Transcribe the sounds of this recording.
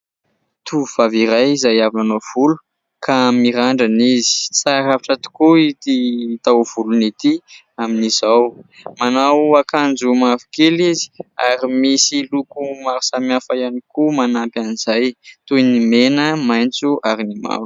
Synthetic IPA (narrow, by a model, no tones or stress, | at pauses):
t̪ʰuuv̥aviɾajizajavinanov̥ulu̥ | kʰamiɾaɳɖ͡ʐanizi̥t͡saɾaviʈ͡ʂat̪u̥kuit̪it̪awv̥ulunit̪i | aminizawmanawakand͡zumavi̥kelizi̥a̰ɾimisilukumaɾu̥samiafajanikumanapaniz̥ajt̪ujnimenəmajnt͡suʔaɾinima̰v̥